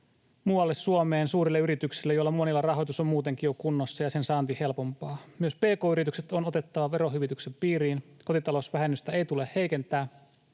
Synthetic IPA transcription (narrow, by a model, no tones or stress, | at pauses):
muːɑlːessuomeːnsuːɾilːeyɾit̪yksilːejojlːɑmuonilːɑrɑɦo̞jt̪usommuːt̪e̞ŋkijokunːosːɑjɑse̞nsɑːnt̪ihe̞lpo̞mpɑːmyøspe̞ːkoːyɾit̪ykset̪onot̪e̞t̪ːɑʋɑʋe̞ɾo̞ɦyʋit̪yksempiːɾiːnko̞t̪it̪ɑlo̞sʋæɦenːyst̪æejt̪ulehhe̞jke̞nt̪æː